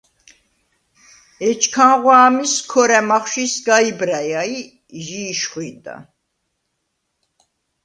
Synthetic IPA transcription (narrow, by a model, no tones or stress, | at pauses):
ɛt͡ʃʰkʰanʁwaːmiskʰɔɾɛmaχʃisɡaibɾajai | ʒiːʃχwid̪a̰